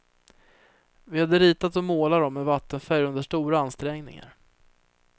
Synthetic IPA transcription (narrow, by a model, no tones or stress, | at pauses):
vɪhad̪ːəɾiːt̪at̪ɔmoːlad̪ɔmːɛvat̪ːənfæɾjɵnd̪əʂʈuːɾaanst̪ɾɛŋnɪ̰ŋa̰ɾ